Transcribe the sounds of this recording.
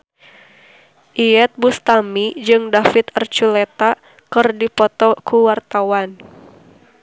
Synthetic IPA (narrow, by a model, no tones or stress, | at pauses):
ʔiɛt̪̚bust̪amid͡ʒɨŋdafit̪ərt͡ʃulɛt̪a | kɨrdipɔt̪ɔkuwart̪awan